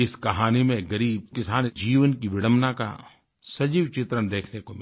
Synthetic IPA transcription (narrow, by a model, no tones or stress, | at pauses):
ɪskɐɦaːnimẽɡɐɾiːb̚kɪsaːnd͡ʒiːʋənkiʋɪɽ̃əmnaka̰ | sɐd͡ʒiːʋt͡ʃɪt̪ɾənd̪eːkʰnekomɪ